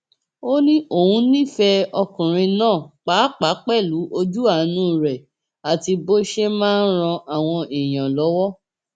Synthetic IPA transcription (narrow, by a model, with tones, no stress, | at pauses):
o˦nĩ˦ʔo˦˨hũ˧nĩ˦˨fɛ˧ɔ˧kũ˨ɾ̃ĩ˧nãː˦˨k͡pa˨˦k͡pa˨˦k͡pɛ˦˨lu˨˦ʔo˧d͡ʒu˦a˦˨˦nũː˦˨ɾɛ˨ | a˨ti˧bo˦ʃe˦mãː˦n̩˦ɾ̃ɔ̃˧ʔa˨w̃ɔ̃˧i˨j̃ã˨lɔ˨˦wɔ˦